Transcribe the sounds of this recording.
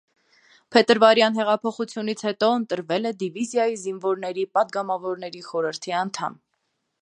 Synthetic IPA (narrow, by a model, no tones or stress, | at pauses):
pʰɛt̪əɾvɑɾjɑn̪ɦɛʁɑpʰɔχut͡sʰjunit͡sʰhɛt̪ɔənt̪əɾvɛlɛd̪ivizjɑjizinvɔɾnɛɾipɑd̪ɡɑmɑvɔɾnɛɾiχɔɾəɾt̪ʰiɑnt̪ʰɑ̰m